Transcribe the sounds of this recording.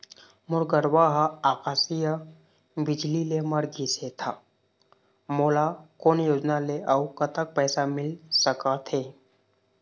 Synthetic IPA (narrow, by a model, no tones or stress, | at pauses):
muɾɡəɾʋaɦaakasijə | bid͡ʒlileməɾɡʱiset̪ʰa | molakonjod͡ʒnaleʔawkət̪ək̚pəjsamɪlsəkat̪ʰɦe